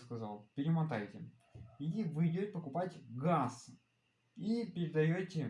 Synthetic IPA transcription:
skɐzalˠpʲɪɾʲɪmɐt̪ajtʲɪ | ivɨjdʲotʲpəkʊpatʲɡas | ipʲɪɾʲɪd̪ɐjotʲɪ

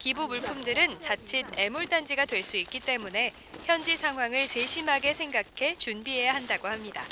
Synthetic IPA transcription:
kibumuɭpʰumdɯɾɯnt͡ɕat͡ɕʰid̚e̞muɭt͈and͡ʑiɡadwe̞ɭs͈uik͈̚it͈e̞mune̞ | çjʌnd͡ʑisʰaŋɦwaŋɯɭse̞ɕʰimɦaɡe̞sʰe̞ŋɡakʰe̞t͡ɕunbiɦe̞jaɦandaɡohamɲida̰

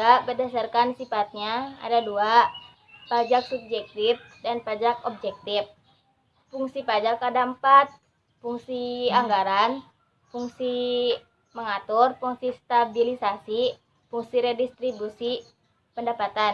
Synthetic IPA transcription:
abərdasarkansifat̪̚ɲaa̰dadua | pad͡ʒaksub̚d͡ʒɛk̚t̪ifdanpad͡ʒakɔb̚d͡ʒɛk̚t̪if | fuŋsipad͡ʒakpadampat̪̚ | fuŋsiaŋɡaɾan | fuŋsi | məŋat̪ʊrfuŋsist̪abilisasi | fuŋsiɾɛdist̪ɾibusi | pəndapat̪an

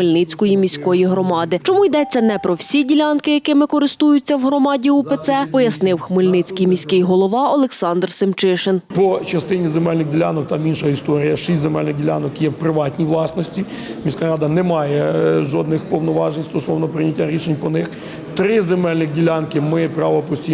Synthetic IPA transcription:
xmɪlʲnɪt͡sʲkɔjimʲisʲkɔjiɦɾɔmɑd̪ɪt͡ʃɔmujd̪ɛt͡sʲːɐnɛpɾɔwsʲidʲilʲɑnkɪjɐkɪmɪkɔɾɪst̪ujʊt͡sʲːɐwɦɾɔmɑdʲiupet̪sɛpɔjɐsnɪwxmɪlʲnɪt͡sʲkijmʲisʲkɪjɦɔlˠɔʋɑɔlˠeksɑnd̪rsɪmt͡ʃɪʃenpɔt͡ʃɐst̪ɪnʲizemɛlʲnɪɣdʲilʲanɔk̚t̪ɑminʃɐist̪ɔɾʲijɐʃisʲtʲzemɛlʲnɪɣdʲilʲa̰nɔkjɛwpɾɪʋɑtʲnʲijʋlˠɑsnɔsʲtʲi | mʲisʲkaɾɑd̪ɐnɛmɑjɛʒɔd̪nɪxpɔwnɔʋɑʒenʲst̪ɔsɔʋnɔpɾɪnʲɐtʲːaɾʲiʃenʲpɔnɪx | t̪ɾɪzemɛlʲnɪxdʲilʲankɪmɪpɾɑʋɔpɔsʲtʲi

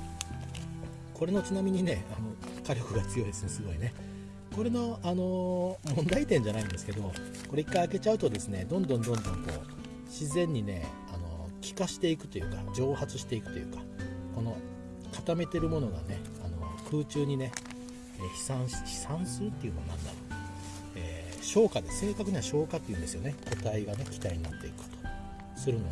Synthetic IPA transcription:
ko̞ɾe̞no̞t͡ɕinamʲiɲ̟ine̞ano̞kaɾʲo̞kɯ̟ɡai̥t͡sɨjo̞id̪e̞sɨnesɨɡo̞ine̞ | ko̞ɾe̞no̞ano̞mõ̞nd̪ait̪ẽɲ̟d͡ʑanaĩnd̪e̞sɨ̥ke̞d̪o̞ | ko̞ɾe̞ikːaiake̞t͡ɕaɯ̟t̪od̪e̞sɨne̞d̪õ̞nd̪õ̞nd̪õ̞nd̪õ̞ŋko̞̰ː | ɕizẽ̞ɲ̟ːine̞̰ | ano̞̰kʲi̥kaɕi̥t̪e̞ikɯ̟t̪o̞jɯ̟ːka̰d͡ʑo̞ːhat͡sɨɕi̥t̪eikɯ̟t̪o̞jɯ̟ːkḁ | ko̞no̞ | kat̪ame̞t̪e̞ɾɯ̟mo̞no̞ɡa̰ne̞ | ano̞̰kʰɯ̟ːt͡ɕɨːɲ̟ine̞ | eçi̥sãɰ̃ɕi̥i̥sãɰ̃sɨɾɯ̟t̪ːeiɯ̟noa̰nã̰nːa̰ɾo | eː | ɕo̞ːkad̪ese̞ːkakɯ̟ɲ̟iβaɕo̞ːkat̪ːe̞iɯ̟̃nd̪e̞sɨjo̞neko̞t̪aiɡane̞kʲi̥t̪aiɲ̟inat̪ːe̞ikɯ̟̥kḁt̪o̥ | sɨɾɯ̟no

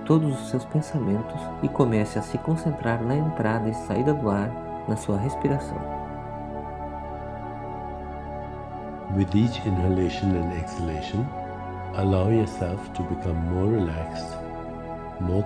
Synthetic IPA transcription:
t̪od̪ʊzʊsːewspẽsamẽnt̪ʊs | ɪkomɛsɪɐsɪkõsẽnt̪ɾaɾnɐẽnt̪ɾʔad̪ɐɪsaid̪ɐd̪ʊaɾ | nɐsuɐɦespiɾasɐ̰̃w̃ | wɪðit͡ʃɪ̃nhəleʃə̃nɛ̃nɛksɪleʃə̃n | əlaʊjɔsɛlftʰubɪkʰʌ̃mːɔːɹɹilækst | mɔ

